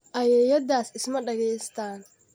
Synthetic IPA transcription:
ʔɐjɛjɐd̪aːsɪsmɐɖɐɣɛjst̪ʰaːn

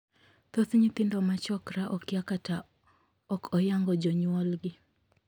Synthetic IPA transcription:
t̪oθɲit̪ɪndɔmat͡ʃɔkɾaʔɔkɪakata | ɔkʰɔjaŋɡɔd͡ʒɔɲwɔlɡɪ

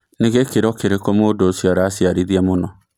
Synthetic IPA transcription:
neɣekeɾɔkeɾekɔmodosjaɾaːsiaɾiðiamonɔ

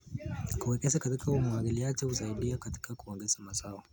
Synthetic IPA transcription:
kuwɛkɛsakatikʰaumuaŋɡiliat͡ʃɛhusaiɗiakati̥kʰakuɔŋɡɛz̥amasawɔ

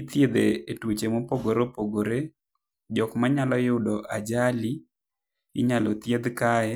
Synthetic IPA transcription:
t̪jed̪eːtwot͡ʃemopoɡoɾopoɡoɾe | d͡ʒɔkmaɲalɔjʊdɔʔad͡ʒali | ɪ̰ɲalot̪jed̪kaɛ

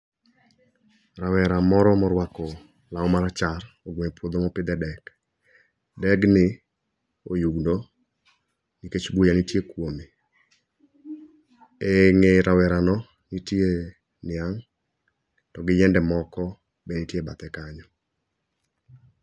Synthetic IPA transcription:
rawɛɾamɔɾɔmɔɾwakɔ | laɔmaɾat͡ʃar | oɡweɲpwod̪omɔpɪd̪ɛdɛk | dɛɡnɪ | ojuɡndo | niket͡ʃbojanitjekwomi | eŋeɾʔawɛɾanɔ | nitje | nɪaŋ | tɔɡɪjɛndɛmɔkɔ | benitjebat̪ɛkaɲɔ

